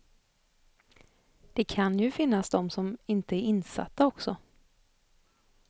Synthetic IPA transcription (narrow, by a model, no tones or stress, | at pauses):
d̪̥ɛkʰanjɵfɪnːasd̪ɔmsɔmɪnt̪əæɾɪnːsa̰t̪ːaɔksɔ